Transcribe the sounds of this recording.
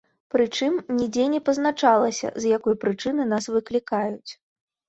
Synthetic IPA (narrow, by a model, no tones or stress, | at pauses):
pɾɨt͡ʂɨmnʲid͡zʲɛnʲɛpɐznat͡ʂalˠɐsʲɐ̰zjakɔjpɾɨt͡ʂɨnɨnasvɨklʲikajut͡sʲ